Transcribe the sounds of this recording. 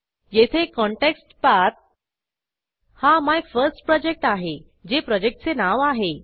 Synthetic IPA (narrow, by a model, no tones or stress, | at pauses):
jet̪ʰekɔɳʈeksʈpat̪̚ | hamajfəɾsʈpɾɔd͡ʑek̚ʈaɦe | d͡ʑepɾɔd͡ʑek̚ʈ̚t͡senaʋaɦe